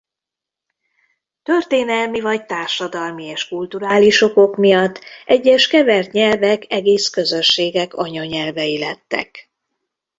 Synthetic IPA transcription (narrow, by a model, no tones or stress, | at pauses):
t̪ø̞rt̪eːnɛlmivɒct̪aːrʃɒd̪ɒlmieːʃkult̪uɾaːliʃo̞ko̞kmijɒt̪ːʔɛɟːɛʃkɛvɛrt̪ɲɛlvɛkɛɡeːskø̞zø̞ʃːeːɡɛkɒɲɒɲɛlvɛjilɛt̪ːɛ̰k